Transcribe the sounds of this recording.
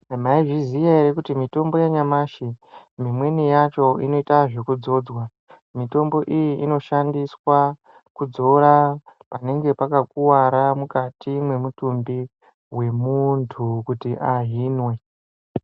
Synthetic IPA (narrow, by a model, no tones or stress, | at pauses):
maiʐizijaeɾekutimito̞mbo̞jaɲamaʃimimwe̞nijat͡ʃo̞ino̞itaʐekud͡zo̞ːd͡zwa | mito̞mbo̞ʔijiʔino̞ʃandiswa | kud͡zo̞ɾapane̞ŋɡe̞pakakuwaɾamukatimwe̞mutumbi | we̞muntʰukutiʔaɦiːnwe̞